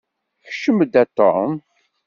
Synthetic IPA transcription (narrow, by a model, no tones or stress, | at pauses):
çʃəməd̪æt̪ːo̰m